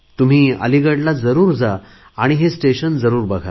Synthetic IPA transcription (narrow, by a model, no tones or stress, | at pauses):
t̪um̤iːə̰liɡəɽlad͡zəɾuːɾd͡zaː | ɽ̃iɦesʈeɕənd͡zəɾuːɾbəɡʱa̰